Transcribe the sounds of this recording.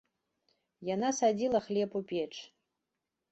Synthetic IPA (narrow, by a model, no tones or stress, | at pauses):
janasad͡zʲilˠɐχlʲepupʲeʈ͡ʂʰʼ